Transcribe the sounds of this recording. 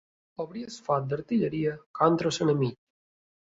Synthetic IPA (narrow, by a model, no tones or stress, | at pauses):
oβɾiesfat̪̚d̪eɾt̪iʎeɾiakant̪ɾosenemiʎ